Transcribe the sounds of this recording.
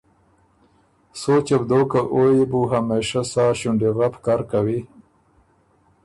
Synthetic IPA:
soːt͡ɕebd̪okaʔojibuɦameʃasaːɕuɳɖiɣapkaːɾkawi

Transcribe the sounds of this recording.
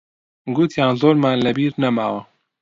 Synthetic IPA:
ɡut̪ʰjaːnzoːɾmaːnlɛbiːɾnɛmaːwɐ

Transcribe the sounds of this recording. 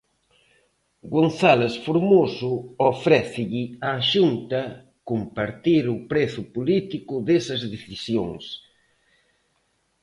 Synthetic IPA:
ɡonθalesfoɾmosʊofɾɛθɪʎɪaʃunt̪ɐ | kompaɾt̪iɾʊpɾeθʊpolit̪ikʊðesɐzðeθisjoŋs

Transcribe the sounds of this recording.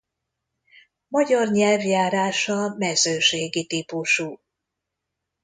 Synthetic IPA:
mɒɟɒrɲɛlvjaːɾaːʃɒmɛzøːʃeːɡit̪ipuʃuː

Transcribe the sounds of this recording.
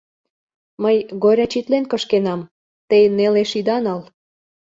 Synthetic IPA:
məjɣoɾʲɑt͡ɕit̪lenkə̆ʃkenɑm | t̪ejneleʃid̪ɑnɑl

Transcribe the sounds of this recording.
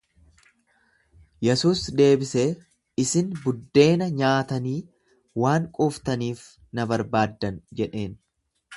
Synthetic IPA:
jɛsuːsd̪e̞ːbɪseː | ɪsɪnbʊd̪ːe̞ːnɐɲaːt̪ɐniː | waːŋkʼɔːft̪ɐniːf | nɐbɐɾbaːd̪ːɐnd͡ʒɛᶑe̞ːn

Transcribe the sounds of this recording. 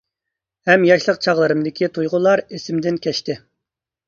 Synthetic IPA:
hɛmjɑʃlˠəqt͡ʃʰɑʁlˠɨɾɨmd̪ɪkʲʰit̪ʰujʁʊlˠɑɾesɪmd̪ɪnkʲʰɛʃt̪ɪ

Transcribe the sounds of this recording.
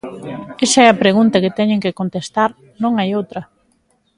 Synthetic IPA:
esɐɛɐpɾeɣunt̪ɐkɪt̪ɛɲẽŋkɪkont̪est̪aɾ | nõŋajowt̪ɾɐ

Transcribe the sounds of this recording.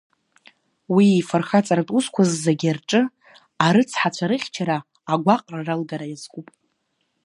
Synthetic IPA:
wiifarχat͡sʼaɾatʼuskʷʰazːaɡʲarʈ͡ʂʼɨ | aɾɨt͡sʰħat͡ɕʷʰaɾɨχʲt͡ʃʰaɾaː | ɡʷaqʼraralɡaɾajazkʷʼupʼ

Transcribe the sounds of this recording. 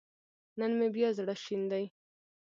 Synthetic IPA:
nənmebjɑzɽaʃind̪aj

